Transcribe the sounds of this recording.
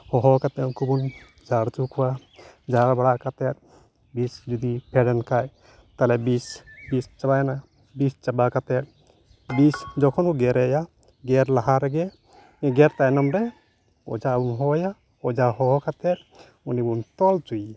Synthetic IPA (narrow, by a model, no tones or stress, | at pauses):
hɔɦɔkat̪ɛnkubun | d͡ʒaɾt͡ʃukwa | d͡ʒaɾbaɽaʔkat̪ɛt̪̚ | bisd͡ʒud̪ipʰɛɖɛnkaj | t̪alɛbisbist͡ʃabajna | bist͡ʃabakat̪ɛt̪̚ | bisd͡ʒɔkʰɔnuɡɛɾɛja | ɡɛɾlaɦaɾɛɡɛ | ɛ̃ɡɛɾt̪ajnɔmɾɛ | ɔ̰d͡ʒabunɦɔja | ɔd͡ʒaɦɔɦɔkat̪ɛt̪̚ | unibunt̪ɔlt͡ʃuj